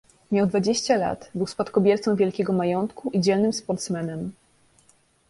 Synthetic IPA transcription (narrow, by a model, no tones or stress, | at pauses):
mʲjawd̪vad͡ʑeɕt͡ɕala̰t̪bɘwspat̪kɔbʲjɛɾt̪sɔ̃w̃vʲjɛlkʲɛɡɔmajɔnt̪kuʔid͡ʑɛlnɘmspɔɾt̪smɛnɛm